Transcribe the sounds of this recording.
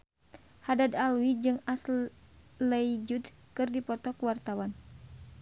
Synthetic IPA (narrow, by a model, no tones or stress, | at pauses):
hadad̪alwid͡ʒɨŋas | ləid͡ʒut̪kɨrdipɔt̪ɔkuwart̪awan